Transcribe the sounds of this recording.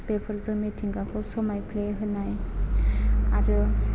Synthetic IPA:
pepʰəɾzəmeʈʰiŋɡakʰosomajpʰleɦɯnaj | a̰ɾu

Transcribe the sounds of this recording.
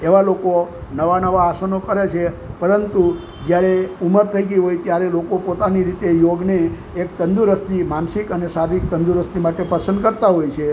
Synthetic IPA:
eʋalokonəʋanəʋaːsənokəɾet͡ʃʰe | pəɾənt̪u | d͡ʒjaɾeuməɾt̪ʰəiɡiɦojt̪jaɾelokopot̪aniɾit̪ejoɡneː | kt̪ənd̪uɾəst̪imansikənesaɾik̚t̪ənd̪uɾəst̪imaʈepəɾsənkəɾt̪aɦojt͡ʃʰe

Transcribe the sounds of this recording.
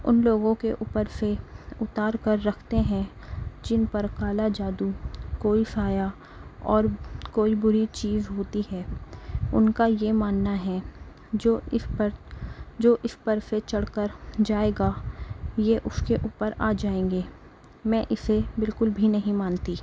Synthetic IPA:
ʊ̰nloːɡõkeʔuːpəɾseʊt̪aːɾkəɾːɐkʰt̪eɦɛ̃ | d͡ʒɪnpɐɾkaːlad͡ʒaːd̪ukoːisaːja | ɔːɾkoːibʊɾit͡ʃiːzɦoːt̪iɦɛː | ʊ̰nkajemaːnːaɦɛ̃ | d͡ʒoɪpəɾd͡ʒoːʔɪspəɾset͡ʃɐɽkəɾd͡ʒaːeːɡa | jeʔʊskeʔuːpəɾa̰ːd͡ʒaːẽːŋɡeː | mɛ̃ːʔɪsebɪlkʊlbʱinɐɦĩmaːnt̪iː

